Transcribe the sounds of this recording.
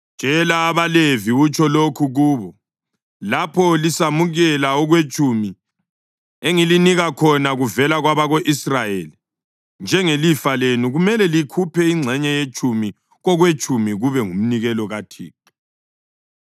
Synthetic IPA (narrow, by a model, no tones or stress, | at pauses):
t͡ʃʼɛlaːβaleviut͡ʃʰʼɔlokʰuɣuːβɔ | lapʰɔlisamuɣɛlaɔɣwet͡ʃʼʰumi | eŋiliniɣakʰɔnaɣuvɛlaɣwaβaɣoʔisrajeli | nd͡ʒʱɛŋelifalenuɣumɛlɛlikʰupʰɛiŋ͡ǀʱɛɲɛjet͡ʃʼʰumi | ɣɔɣwet͡ʃʼumiɣuβɛŋum̩niɣɛlɔɣatʰḭːki̥